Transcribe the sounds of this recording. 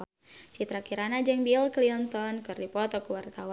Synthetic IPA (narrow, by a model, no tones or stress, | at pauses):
t͡ʃit̪ɾakiɾanad͡ʒɨŋbilklint̪ɔnkɨrdipɔt̪ɔkuwart̪awa